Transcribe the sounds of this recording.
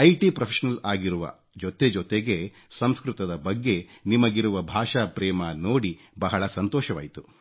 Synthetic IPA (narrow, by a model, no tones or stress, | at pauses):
ɐjʈipɾɐpʰeʃɐnɐlaːɡiɾuʋɐ̰ | d͡ʒɔt̪e̞d͡ʒɔt̪eɡe̞ | sɐmskɾut̪ɐd̪ɐbɐɡːe̞nimɐɡiɾuʋɐbʱaːʂapɾɛːmɐnoːɽi | bɐɦɐɭɐsɐnt̪ɔːʃɐʋa̰ːjit̪u